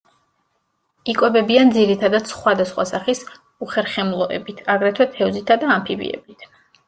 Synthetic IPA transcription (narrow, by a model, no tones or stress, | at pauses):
ikʼwɛbɛbiand̪ziɾit̪ʰad̪ad̪̥sχwad̪asχwa̰saχis | uχɛɾχɛmlˠɔʔɛ̰bit̪ʰaɡɾɛt̪ʰwɛt̪ʰɛɔzit̪ʰad̪aːmpʰibḭɛ̰bit̪ʰ